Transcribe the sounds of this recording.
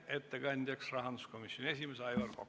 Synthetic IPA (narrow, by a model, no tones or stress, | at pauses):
et̪ːekɑnʲd̪̥ʲjɑksrɑɦɑnd̪usko̞misjonie̞simeseɑjvɑrko